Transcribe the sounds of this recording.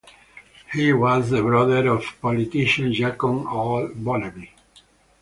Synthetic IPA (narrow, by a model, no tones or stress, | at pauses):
hiwɔzðəbɹɔðəɾɔvpɔlit̪iʃə̃nd͡ʒakɔ̃nɔlbɔləbi